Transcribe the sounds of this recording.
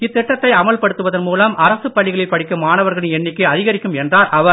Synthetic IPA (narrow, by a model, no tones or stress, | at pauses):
ɪt̪ːɪʈːɐt̪ːɐɪɐmɐɭpɐɽɯt̪ːɯʋɐðɐnmuːlɐmʔɐɾɐsɯpːɐɭːɪɣɐɭɪpːɐɽɪkːɯmaːnɐʋɐɾɣɐɭɯnɛnːɪkːɯɐðɪɣɐɾɪkːɯmɛndraːɾʔɐʋɐɾ